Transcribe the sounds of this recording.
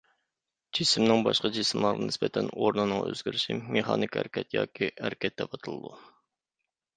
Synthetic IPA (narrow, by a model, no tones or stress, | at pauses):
d͡ʒisɪmnɪŋbɑʃqɑd͡ʒisɪmlˠɑɾʁɨnɪspɛt̪ʰɛnoɾnɨnɨŋø̰zɡʲiɾɪʃimeχɑ̰nɨkʲæ̰ɾɪkʲɛt̪jɑ̰ːkʲiæɾkʲʰɛt̪̚d̪ɛpʰɑt̪ʰɨlˠɨ̰d̪u